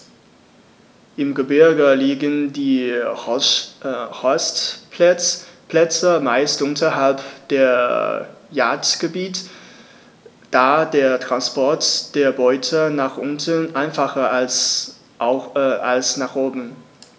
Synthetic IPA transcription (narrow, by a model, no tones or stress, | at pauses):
ʔɪmɡəbɪɐɡəliːɡəndiː | hɔst | pʰlɛt͡səmaɪstʔʊntɐɦalpd̥eːɐ | ja̰ːɐtɡ̥əbiːt | d̥aːdeːɐtʁ̥anspɔɐtd̥eːɐbɔʏtʰənaːχʔʊntənʔaɪnfaχɐas | alsnaːχʔoːbm̩